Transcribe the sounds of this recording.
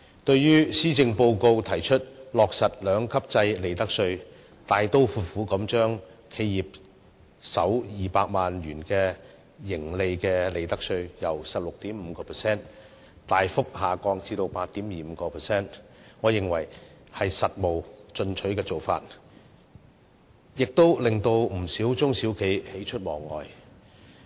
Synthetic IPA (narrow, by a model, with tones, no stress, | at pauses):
t̪ɵ˧ɥjyː˥siː˥t͡sɪ˧ŋpo˧wko˧wt̪ʰɐ˨˩jt͡ʃʰɵ˥t̚lɔː˨k̚sɐ˨t̚lœː˨˧ŋkʰɐ˥p̚t͡sɐ˧jle˨˩jt̪ɐ˥k̚sɵ˧ɥ | t̪aː˨jt̪o˥wfuː˧˩t̚fuː˨˥kɐ˨˥mt͡ʃœː˥ŋkʰe˧jjiː˨p̚ | sɐ˨˥wjiː˨paː˧k̚maː˨nɥyː˨˩nkɛː˧ | jɪ˨˩ŋle˨˧jkɛː˧le˨˩jt̪ɐ˥k̚sɵ˧ɥjɐ˨˩wsɐ˨p̚lʊ˨k̚t̪iː˨˥mm̩ː˨˧kɔː˧pʰɛ˨˩sɛː˥n | t̪aː˨jfʊ˥k̚haː˨˩kɔː˧ŋt͡siː˧t̪o˧wpaː˧t̚t̪iː˨˥mjiː˨m̩˨˧˦kɔː˧pʰɛ˨˩sɛː˥˩nŋɔː˨˧jɪ˨˩ŋwɐ˨˩jhɐ˨jsɐ˨t̚mo˨wt͡ʃɵ˧nt͡ʃʰɵ˨˥kɛː˧t͡so˨wfa̰ː˧t̚ | jɪ˨k̚t̪o˥wlɪ˨ŋt̪o˧wm̩˨˩siː˨˥wt͡sʊ˥ŋsi˨˥wkʰe˨˧jhe˨˥jt͡ʃʰɵ˥t̚mɔː˨˩ŋːɔ̰ː˨j